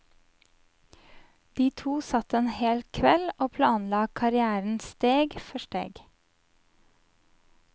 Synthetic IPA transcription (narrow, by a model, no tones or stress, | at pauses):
d̪̥iːt̪ʰuːsɑt̪əeːnheːlkʰʋɛloːpʰlɑːnlɑːkʰɑɾɪæːɾn̩st̪eːɡfɔʃʈḛːɡ